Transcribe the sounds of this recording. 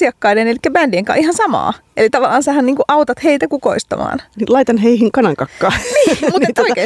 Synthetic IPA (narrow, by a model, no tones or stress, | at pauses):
iɑkːɑidenelikːæbændieŋkɑ̰ʔihɑnsɑmɑ̰ːʔḛlit̪ɑʋɑlːˑɑːnsæhænniːŋkuʔɑut̪ɑt̪heit̪ækuko̰ist̪ɑ̰mɑ̰ːnnilɑit̪ɑnɦeihiŋkɑnɑŋkɑkːɑːniːmut̪et̪oikeː